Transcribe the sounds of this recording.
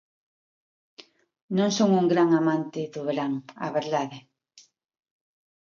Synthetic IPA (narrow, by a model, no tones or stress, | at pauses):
nõŋsoŋuŋɡɾaŋamãnt̪ɪðʊβeɾaŋa̰βeɾðaðe